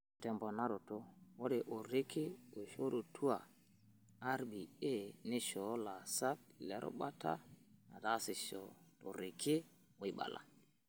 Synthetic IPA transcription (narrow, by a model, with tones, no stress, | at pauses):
tɛ˨mbɔ˨na˦ɾo˨to˦wo˦de˨ʔo˨ɾɪ˦kʰɪ˦o˨ʃo˦ɾo˨tʰu˦a˨ | a˦ɾbi˨e˦˨nɪ˦ʃɔ˨˦la˨sa˦t̚lɛ˨˦ɾo̰˦ɓa˦ta̰˦na̰˨ta˦sɪ˨ʃɔ̰˨to˨ɾɪ˨kʰɪ˦ | wi˨ɓa̰˨la̰˨